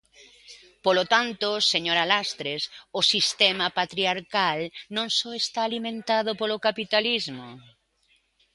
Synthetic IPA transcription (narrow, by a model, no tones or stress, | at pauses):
polot̪ant̪ʊseɲoɾalast̪ɾesosist̪ɛmapat̪ɾiaɾkalnõŋsɔest̪aːlimẽnt̪aðʊpolokapit̪alizmo